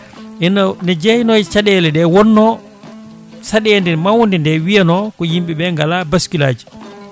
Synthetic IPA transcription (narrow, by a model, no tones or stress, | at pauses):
ɛnnɛd͡ʒehnɔt͡ʃaɗɛlɛdɛwɔnːɔ | saɗɛndɛmawndɛndɛwijanɔkɔjimɓiɓɛŋɡalabaskilaːd͡ʒi̥